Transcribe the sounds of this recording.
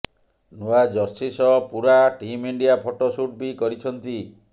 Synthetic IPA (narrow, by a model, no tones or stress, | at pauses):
nuad͡ʒɔɾsisɔpuɾaʈimiɳɖijapʰɔʈɔsuʈ̚bikɔɾit͡ʃʰɔnt̪i